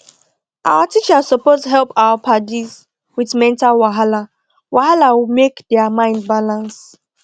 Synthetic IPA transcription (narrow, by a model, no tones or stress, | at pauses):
ʔa̰watit͡ʃazsəpoztəɦɛlˠpaʊapʰadiz | wiðmɛ̃ntalwaɦala | wʔaɦalawimekdɛamãɪ̃ndbalãns